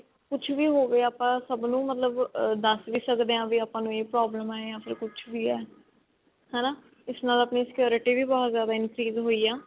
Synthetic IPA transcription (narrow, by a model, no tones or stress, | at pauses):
kʊt͡ʃʰʋiːɦoːʋeːaːpãːsəbnũːmət̪ləbd̪əsʋiːsəkd̪eːãːʋiːaːpãːnũːeːpɾɔːbləmɛːjãːpʰɪɾkʊt͡ʃʰʋiːɛː | hɛːnaː | ɪsnãːlaːpniːsɪ̥kjoːɾɪʈiːʋiːbɔːt̪zjaːd̪aːɪnɾiːzɦoːiːaː